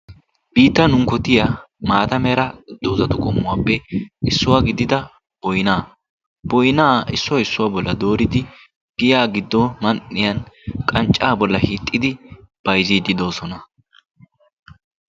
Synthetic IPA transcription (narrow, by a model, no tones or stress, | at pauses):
b̥iːt̪ːɐnʊŋkɔt̪ɪja | maːt̪ɐmɛːɾɐd̪̥ːoːzɐt̪ʊkʼɔmːʊwaːpːɛɪsːʊwaːɡɪd̪ɪd̪ɐ | b̥ɔjnaː | b̥ɔjnaːɪsːʊɪsːʊwaːbɔlːɐd̪o̞ːɾɪd̪ɪ | ɡ̥ɪjaːɡɪd̪ːɔmɐnʔːɪjɐnkʼɐnt͡ʃʼːaːbɔlːɐhiːt̪ʼːɪd̪ɪ | b̥ɐjziːd̪ɪd̪o̞ːsɔnɐ